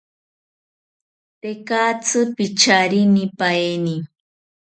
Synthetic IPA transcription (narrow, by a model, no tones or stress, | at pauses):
t̪ekat͡sɨpit͡ʃaɾinipaeni